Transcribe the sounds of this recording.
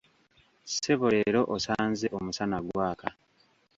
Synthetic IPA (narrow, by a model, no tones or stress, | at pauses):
se̞βole̞ɾo̞ʔosaːnze̞ʔomusanaɡwaːka